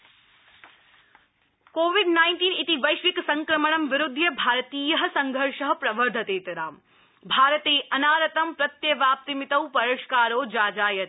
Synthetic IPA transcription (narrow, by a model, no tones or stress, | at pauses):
koːʋiɖnaːɪnʈiːnit̪iʋɐjʃʋiksɐ̃ŋkɾɐmɐɳɐmʋɪɾʊd̪ʱːjɐbʱaːɾɐt̪iːjɐɦɐ̆sɐŋɡʱɐɾʂɐɦɐpɾɐʋɐɾd̪ʱɐt̪eːt̪ɾaːm | bʱaːɾɐt̪eːʔɐnaːɾɐt̪ɐmpɾɐt̪jɐʋjaːp̚t̪imɪt̪ɐwpɐɾɐʃkaːɾoːd͡ʒaːd͡ʒaːjɐt̪